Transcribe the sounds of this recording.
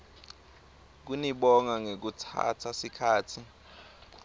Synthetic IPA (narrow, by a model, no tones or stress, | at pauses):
k̬uniɓɔŋaŋek̬utʰa̰tʰasikʰaːtʰi